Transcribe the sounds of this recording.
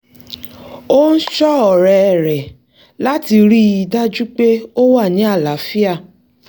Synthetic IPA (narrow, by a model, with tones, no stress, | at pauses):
o˦n̩˦ʃɔ˦ɔ˨ɾɛ˨ɾɛ˨ | la˦ti˧ɾi˦i˧da˦d͡ʒu˦k͡pe˦o˦wa˦˨nĩ˨˦a˦˨la˨˦fi˦a˦˨